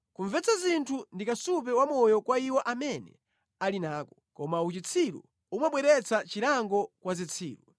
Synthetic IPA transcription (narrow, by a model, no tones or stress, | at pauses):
kuɱvɛt͡sazintʰundikasup̬ɛwamɔjɔkwaiwɔʔamɛnɛ̰ | alinaːkɔkɔmaut͡ʃit͡sʰiɾṵ | umwaɓwɛɾɛt͡sʰat͡ʃiɾaŋɡɔkwazit͡sʰiːɾu